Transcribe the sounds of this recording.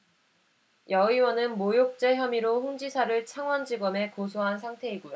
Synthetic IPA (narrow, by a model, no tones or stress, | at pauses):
jʌiwʌnɯnmojok̚t͡ɕ͈eçjʌmiɾoɸuŋd͡ʑisʰaɾɯɭt͡ɕʰaŋwʌnd͡ʑiɡʌme̞kosʰoɦansʰaŋtʰe̞iɡujo